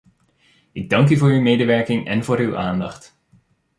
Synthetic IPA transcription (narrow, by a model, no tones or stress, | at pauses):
ɪɡ̚dɑŋkyvʊːɹymejdəʋɛɹkɪŋɛ̰nvʊːɾywʔaːndɑχt